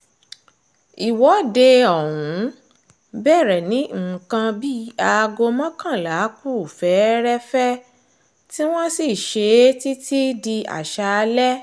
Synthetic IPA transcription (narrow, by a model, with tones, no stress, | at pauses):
i˨wɔ˨˦de˧ɔ˨wũ˨˦ | bɛ˦˨ɾɛ˨nĩ˨˦ŋ̩˨kã˧bi˦a˧ɡo˧mã˦kã˦˨la˨˦ku˦˨fɛ˨˦ɾɛ˦fɛ˦ | ti˦w̃ɔ̃˦si˦˨ʃe˧˦ti˦tʰi˦di˧a̰˨ʃa˧lɛ˦